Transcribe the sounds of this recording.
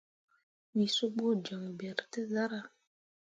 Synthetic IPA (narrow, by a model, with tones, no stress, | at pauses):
mi˨so˦ɡ͡bo˦˨d͡ʒa˨ŋ˨bɛ˨ɾte˦za˦ɾa˦˨